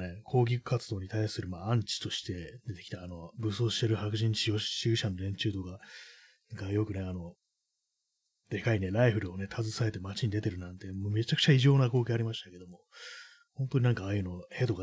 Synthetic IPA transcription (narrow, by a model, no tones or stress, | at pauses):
ne̞kʰo̞ːɡʲikɯ̟̥kat͡sɨd̪o̞ːɲ̟it̪aisɨɾɯ̟maːãɲt͡ɕi̥t̪o̞ɕi̥t̪e̞d̪e̞t̪e̞kʲi̥t̪aːno̞bɯso̞ːɕi̥t̪e̞ɾɯ̟hakɯ̟ʑĩɲɕioɕɨːɕano̞ɾẽ̞ɲ̟t͡ɕɨːt̪o̞ka | nãŋkajo̞kɯ̟ne̞ano̞ | d̪̥e̞kaine̞ɾaiɸɯ̟ɾɯ̟o̞ne̞t̪ʰazɨsae̞t̪e̞mat͡ɕiɲ̟id̪e̞t̪e̞ɾɯ̟nãnt̪e̞mome̞t͡ɕakɯ̟̥t͡ɕaiʑo̞ːnako̞ːkʲeaɾʲimaɕi̥t̪ake̞d̪o̞mo̞ | hõ̞nt̪o̞ɲ̟inãŋkaːjɯ̟no̞he̞t̪o̞ka